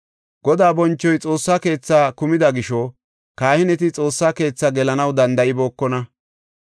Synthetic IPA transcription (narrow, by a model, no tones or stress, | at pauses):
ɡ̥ɔd̪aːbɔnt͡ʃːɔjt͡sʼo̞ːsːaːke̞ːt͡sːaːkʊmɪd̪ɐɡɪʃɔ | kaːhɪnɛt̪̬ɪt͡sʼo̞ːsːaːke̞ːt͡sːaɡɛlɐnɐwd̪ɐnd̪ɐʔɪbo̞ːkːɔnɐ